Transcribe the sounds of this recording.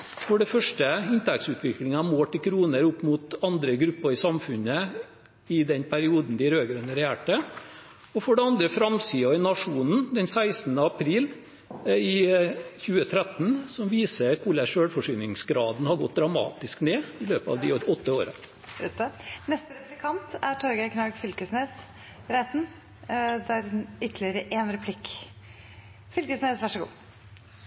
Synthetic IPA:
fɔɖɛfœʂʈəɪnt̪ʰɛk̚t̪sʉːt̪ʰʋɪklɪŋəɑmoːʈɪlkʰɾuːnəɾʊpːmuːt̪ɑnd̪ɾəɡɾʉpːəɾɪsɑmfʉɲə | ɪd̪ɛnpʰæɾɪuːd̪n̩d̪ɪɾøːɡɾønəɾɛæːʈə | ɔfɔɖɛɑnd̪ɾəfɾɑmsiːɔɪnɑʂuːnn̩d̪ɛnsæɪsn̩əɑpʰɾiːl | ɪçʉːət̪ʰɾɛt̪nsɔmʋiːsəɾkʰuːlæʂøːɽfɔʂynɪŋsɡɾɑːd̪nəhɑɾɡɔt̪̚d̪ɾɑmɑ̰ːt̪ɪskneːɪløːpɑ̰ːʋd̪ɪɔt̪ːəoːɾə̰ | nɛst̪əɾɛplɪkʰɑnt̪æʈʰɔɾɡəɪkʰnɑɡfʏlkəsneːs | ɾɛt̪n | d̪æɾʏt̪ːlɪəɾəʔeːnɾɛpʰlɪkː | fʏlkəsneːsʋæʂəɡṵː

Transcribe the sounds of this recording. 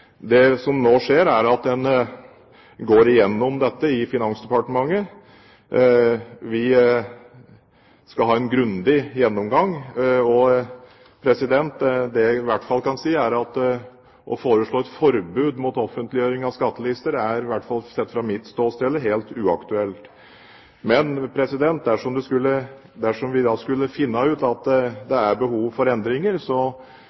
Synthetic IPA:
d̪ɛsɔmnoːʂeːɾæɾɑt̪̚d̪ɛn | ɡoːɾɪjɛnːɔmd̪ɛt̪ːəɪfɪnɑnsd̪ɛpɑʈəmɑŋːə | ʋɪ | skɑlɦɑːɛnɡɾʉnd̪ɪjɛnːɔmɡɑŋɔ | pʰɾɛsɪd̪ɛnt̪d̪ɛʋæʈːfɑlkʰɑnsiːæɾɑt̪ | ʔɔ̰foːɾəʂɭoːɛt̪fɔɾbʉːd̪mut̪ɔfːənt̪lɪjøːɾɪŋɑʋskɑt̪ːəlɪst̪əɾæɾʋæʈːfɑlsɛt̪ːfɾɑmɪt̪st̪oːst̪ɛlːəɦeːlt̪ʉːɑkt̪ʉɛlt̪ | mɛnpʰɾɛsɪd̪ɛnt̪̚d̪æʂɔmd̪ʉskʉlːə | d̪æʂɔmʋɪd̪ɑskʉlːəfɪnːɑʉːt̪ɑt̪d̪ɛæɾbəhuːʋfɔɾɛnd̪ɾɪŋəɾsɔ

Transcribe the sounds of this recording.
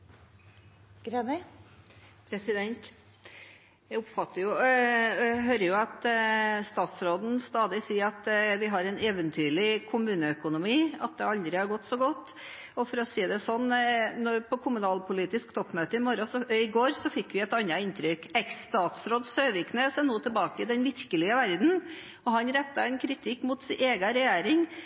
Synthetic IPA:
ɡɾɛmɛ | pʰɾɛsɪd̪ɛnt̪ | jæɪʊpfɑt̪ːəɾjʊ | ɦøːɾəɾjʊɑt̪st̪ɑːt̪sɾoːd̪n̩st̪ɑːd̪ɪsiːɾɑt̪ʋɪɦɑɾɛneːʋənt̪ʰyːɭɪkʰʊmʉːnəœkʊnʊmiːɑt̪̚d̪ɛɑld̪ɾɪhɑɾɡɔt̪ːsɔɡɔt̪ː | ɔfɔɾɔsiːd̪ɛsɔnːnɔpʰɔkʰʊmʉnɑːlpʊliːt̪ɪskt̪ʰɔpːmøːt̪əɪmɔɾəsɔɪɡoːɾsɔfɪkːʋɪɛt̪ɑnːɑɪnt̪ʰɾʏkɛksːt̪ɑːt̪sɾoːd̪søːʋɪkʰneːsɛnoːt̪ʰəlbɑːkəɪd̪ɛnʋɪɾkəlɪəʋæɾd̪n̩ | ɔɦɑnɾɛt̪ːɑɛnkʰɾɪt̪ʰɪkːmʊt̪sɪeːɡəɾɛjeːɾɪŋ

